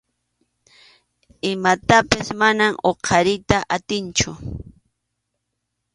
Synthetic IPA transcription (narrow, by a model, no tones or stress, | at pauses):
ɪmat̪apasmanamʔoqʰɑɾɪjt̪aʔat̪ɪnt͡ʃʊ